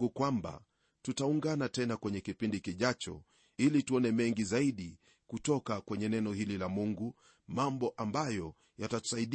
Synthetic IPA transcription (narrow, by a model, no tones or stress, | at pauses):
ɡukwamba̰ | tutauŋɡanatɛnakwɛɲɛkipindikiʄat͡ʃɔ̰ | ilituɔnɛmɛŋɡizaiɗi | kutɔkakwɛɲɛnɛnɔhililamuŋɡu | mambɔʔambajɔ | jatatu̥saiɗ